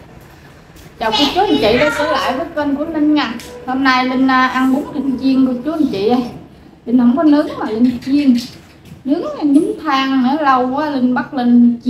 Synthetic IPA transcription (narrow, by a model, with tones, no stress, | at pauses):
t͡ɕaː˨˩wku˧ət͡ɕu˨˦˥ʔə˧˩nt͡ɕḭ˧˨ɗɔ˨˦t̪əː˧˩la̰ː˧˨jvəː˨˦kə˧nku˧˩ənə˧nŋa˨˩ŋho˧mna˧jli˧ŋ̟ː˧ʔa˧ŋɓu˨˦əŋti˧ŋt͡ɕi˧əŋku˧˩ət͡ɕu˨˦ʔə˧nt͡ɕḭ˧˨ʔə˧j | li˧n̟hə˧wŋ͡mkɔ˨˦nɨ˨˦˥əŋmaː˨˩li˧ŋ̟t͡ɕi˧əŋ | nɨ˨˦əŋa˧˩ɲɨ˨˦ŋt̪ʰaː˧ŋnə˧˨˦lə˧wʔaː˨˦li˧ŋ̟ɓa˦˥k̚li˧ŋt͡ɕ